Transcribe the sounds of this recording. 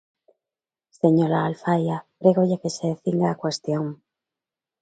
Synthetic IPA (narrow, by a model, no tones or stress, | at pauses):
seɲoɾaːlfajapɾeɣoʝakeseðeθiŋɡaːkwest̪joŋ